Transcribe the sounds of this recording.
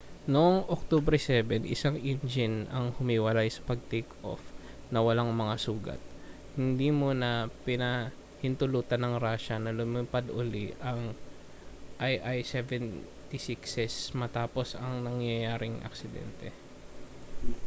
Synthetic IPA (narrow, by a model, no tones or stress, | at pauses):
noŋʔok̚t̪obɾɛsɛbɛnʔɪ̰saŋʔɪnd͡ʒɪnɐŋhʊmiwɐlajsɐ̥pɐɡ̚t̪ejkʔo̰f | nɐwɐlaŋmɐŋasuːɡɐ̰t̪̚ | hɪnd̪imonɐpɪnɐ | hɪnt̪ʊluːt̪ɐnɐŋɾaːʃɐnɐlʊmɪpad̪ʔʊliʔɐŋ | ʔajʔajsɛvɛn | t̪isiksɛsmɐt̪aːpo̞sɐŋnɐŋjɐjaːɾɪŋʔɐ̰ksɪd̪ɛ̰nt̪ɛ